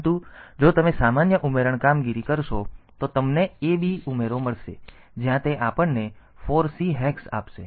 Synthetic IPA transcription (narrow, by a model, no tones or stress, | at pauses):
t̪ũd͡ʒot̪əmesamanjəʔumeɾəɳ̃kamɡiɾikəɾʃot̪ot̪əmneebʱiumeɾoməɭʃḛ | d͡ʒjãt̪eʔapəɳne | foɾsiɦɛksa̰pʃḛ